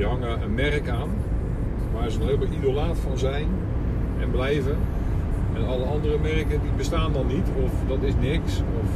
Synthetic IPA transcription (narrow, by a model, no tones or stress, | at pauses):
ɦɑŋəənmɛrəkaːn | ʋaːrzənɔxhɪːlˠməlˠizolaːtfɔnzɛjn | ɛ̰nblɛjvə | ɛnɑlˠəɑndərəmɛrkədibəstaːndɑnːitɔfdɔtɪsnɪksɔf